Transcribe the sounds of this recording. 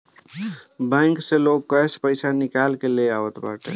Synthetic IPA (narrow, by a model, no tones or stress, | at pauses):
bɛ̃ŋkseloɡ̚kəjspəɪsanikalkeleaʋət̪ba̰ʈḛ